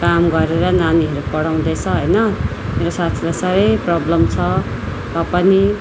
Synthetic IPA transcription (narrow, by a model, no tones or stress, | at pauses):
kamɡʌɾeɾʌnaniɦʌɾupʌɽaw̃d̪ʌt͡sʰʌɦʌjnʌ | meɾosat̪ʰilasaɾʌjprʌblʌmt͡sʰʌ | t̪ʌpʌni